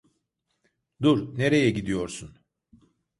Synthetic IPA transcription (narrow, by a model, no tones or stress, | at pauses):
d̪uɾne̞ɾe̞jɛɟid̪ijo̞ɾsun